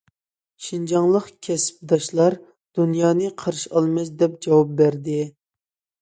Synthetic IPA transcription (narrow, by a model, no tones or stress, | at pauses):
ʃind͡ʒɑŋlˠəqkʲʰɛsp̚d̪ɑʃlˠɑɾ | d̪̥unjɑːnɨqʰəɾɨʃɑlˠmɛsd̪ɛp̚d͡ʒɑwɑp̚bæɾd̪ɪ